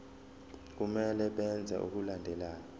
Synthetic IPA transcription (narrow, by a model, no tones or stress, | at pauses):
k̬umɛlɛɓɛnd͡zʱa̰ʔṵk̬ulandʱɛlaːjɔ